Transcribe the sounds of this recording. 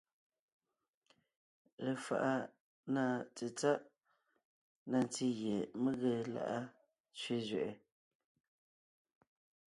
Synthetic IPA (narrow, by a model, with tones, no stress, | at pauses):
ɾə˨fa̰˨ʔa˦ | na˦˨t͡si˨t͡sa˦ʔ | na˨n˨ti˦ɣje˨mə˦ɣə˨la̰˨ʔa˦ | t͡sɥe˦zɥɛ˨ʔɛ˨